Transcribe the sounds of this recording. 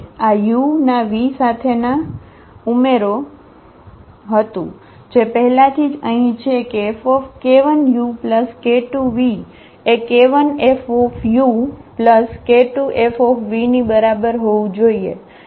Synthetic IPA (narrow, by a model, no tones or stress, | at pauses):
ajunaʋisat̪ʰena | umeɾo | ɦət̪ṵ̃ | d͡ʒepəɦɛlat̪ʰid͡ʒəɦĩt͡ʃʰekeːfɔfkeʋənjupləskeʈuʋi | ekeʋənefɔfjupləskeʈuʔefɔfʰʋinibəɾabəɾɦoʋũd͡ʒoiḛ